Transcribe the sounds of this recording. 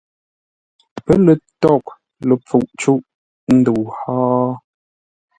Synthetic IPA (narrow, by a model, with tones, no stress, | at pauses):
pə˦lə˨tɔ˦˨k̚ | lə˨p͡fu˨ʔt͡ʃu˦ʔ | n̩˦du˨haː˦